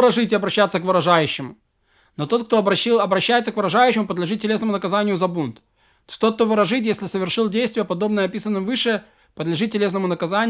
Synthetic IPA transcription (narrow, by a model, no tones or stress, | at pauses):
ɾɐʐɨtʲɪɐbɾɐɕːat̪səkvɨɾɐʐajʉɕːɪmʊ | not̪o̞t̪̚k̚t̪obɐɐbɾɐɕːæjɪt̪səkvɨɾɐʐajʉɕːɪmʊpəd̪lʲɪʐɨt̪ʲːɪlʲenəmʊnəkɐzanʲɪjʊzɐbunt̪ | t̪ot̪̚t̪ovɨɾɐʐɨtʲjesʲlʲɪsəvʲɪrʂɨlˠdʲejst̪vʲɪjəpɐd̪o̞bnəjəɐpʲisənːɨmvɨʂɨ | pəd̪lʲɪʐɨt̪̚ʲːɪlʲe̞snəmʊnəkɐzanʲ